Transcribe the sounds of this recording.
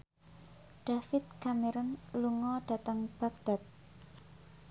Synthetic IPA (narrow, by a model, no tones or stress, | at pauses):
ɖ̥afɪt̪̚kameɾʊnluŋɔɖ̥a̤t̪əŋb̥ak̚d̪̥a̤t̪̚